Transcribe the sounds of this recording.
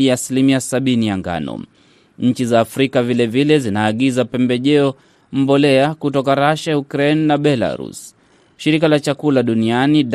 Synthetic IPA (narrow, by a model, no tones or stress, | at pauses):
aːsilimiasaɓinijaŋɡa̰nɔ̰ | ɲ̩t͡ʃizaːfɾikavilɛvilɛzinaːɠizapɛmbɛʄɛɔ | m̩bɔlɛakutɔkaɾaʃaukɾɛnnaɓɛla̰ɾṵs | ʃiɾikalat͡ʃakulaɗunianiɗ